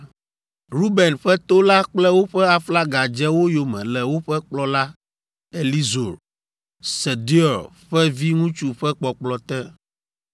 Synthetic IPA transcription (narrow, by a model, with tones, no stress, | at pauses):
ɾu˦bɛ˨nɸɛ˦t̪o˦la˦k͡plɛ˦wo˦ɸɛ˦a˨fla˦ɡa˨d͡ʒɛ˦wo˦jo˨mɛ̰̃˨lɛ˨wo˦ɸɛ˦k͡plɔ˦la˦ | e˨li˦zo˨ɾ | sɛ˨d̪i˦ɔ˨ɾ | ɸɛ˦vi˦ŋũ˦t͡ʃu˦ɸɛ˦k͡pɔ˨k͡plɔ˨t̪ɛ˦